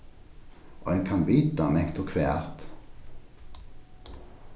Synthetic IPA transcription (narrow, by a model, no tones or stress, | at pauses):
ʔo̰ːeːŋkʰɑnbyːt̪ɑmɛkt̪ʰukʰʋeæ̰ʁt̪